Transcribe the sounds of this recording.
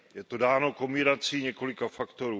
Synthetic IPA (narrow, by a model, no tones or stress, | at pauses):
jɛt̪odaːno̞ko̞mbɪɾat͡siːɲɛko̞lɪkafakt̪o̞ɾuː